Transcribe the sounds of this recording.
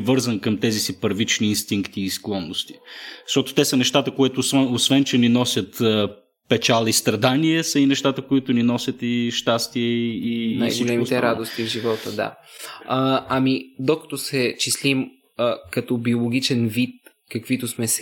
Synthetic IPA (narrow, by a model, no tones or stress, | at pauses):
vɤɾzənkəmt̪ɛzisipəɾvit͡ʃniːnst̪iŋkt̪iːsklˠɔnːost̪i̥ʃt̪ɔt̪o̥t̪ɛsənɛʃt̪at̪əkoɛt̪ʊsvɛosvɛnt͡ʃɛninɔsʲjət̪ː | pɛt͡ʃalˠist̪ɾɐd̪aniɛsəinɛʃt̪at̪əkoit̪ʊninɔsʲət̪iʃt̪ast̪iɛiːnajsɡiolt͡ʃɛmit̪ɛɾad̪ost̪ivʒivɔt̪əd̪a̰ | amid̪okɐ̥t̪osɛt͡ʃislim | əkɐt̪ɔbiolˠoɡʲit͡ʃɛnvit̪̚ | kɐkvit̪ʊsmɛs